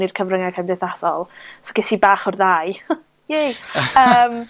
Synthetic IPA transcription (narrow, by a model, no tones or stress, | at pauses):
nirkʰəvrəŋakʰandeθasɔlˠsɔɡɪsibaːχɔrðaːj | jejəːm